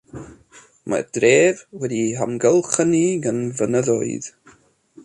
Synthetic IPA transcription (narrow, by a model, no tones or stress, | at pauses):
mʔa̰d̥reːvwɛdiɦamɡəlˠχəniɡənvənəðɔ̰ɨð̥